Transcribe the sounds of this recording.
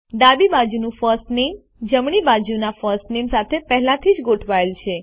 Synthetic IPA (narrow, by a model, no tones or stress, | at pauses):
ɖ̪abibad͡ʒunũfəsʈnem | d͡ʒəmɳ̃ibad͡ʒunafəsʈnemsat̪ʰepɛɦlãt̪ʰid͡ʒɡoʈʰʋaelt͡ʃʰe